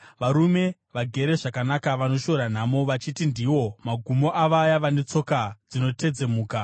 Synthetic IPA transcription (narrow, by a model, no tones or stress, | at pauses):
ʋaɾume̞ | ʋaɡʱe̞ɾe̞ʐakanakaʋano̞ʃo̞ɾan̤amo̞ʋat͡ʃitindiwo̞maɡʱumo̞ʔaʋajaʋane̞t͡so̞kad͡zino̞te̞d͡ze̞muːka